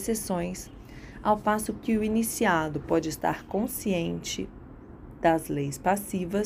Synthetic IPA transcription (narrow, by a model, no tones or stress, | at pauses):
sesõj̃s | awfasʊkɪʊinisiad̪ʊpɔd͡ʒɪɪst̪a̰ɾkõsiẽnt͡ʃɪ̰ | d̪̥ɐzlejspasivɐ